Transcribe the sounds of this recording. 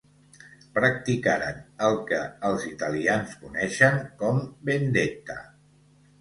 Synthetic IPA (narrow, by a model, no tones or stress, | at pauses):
pɾək̚t̪ikaɾənəlˠkəəlˠzit̪əlianskunɛʃəŋkɔmbend̪et̪ə̰